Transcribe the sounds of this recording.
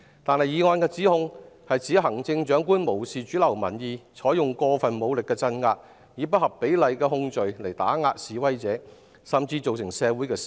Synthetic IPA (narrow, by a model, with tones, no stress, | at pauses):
t̪aː˨nhɐ˨˩jjiː˨˧ŋɔː˧nkɛː˧t͡siː˨˥hʊ˧ŋhɐ˨jt͡sʰi˨˥ɦɐ˨˩ŋt͡sɪ˧ŋt͡ʃœː˨˥ŋkuː˥nmo˨˩wsiː˨t͡ʃyː˨˥lɐ˨˩wmɐ̰˨˩njiː˨˧t͡ʃʰɔː˨˥jʊ˨ŋkɔː˧fɐ˨nmo˨˧wlɪ˨kːɛː˧t͡sɐ˧˥nŋaː˧t̚ | jiː˨˧p̬ɐ˥t̚hɐ˨˩pːe˨˥jlɐ˨jkɛː˧hʊ˧ŋt͡ʃɵ˨ɥle˨˩jt̪a̰ː˨˥ŋaː˧t̚siː˨wɐ˥jt͡sɛː˨˥ | sɐ˨mt͡siː˧t͡so˨wsɪ˨˩ŋsɛː˨˧wuː˨˥jkɛː˧s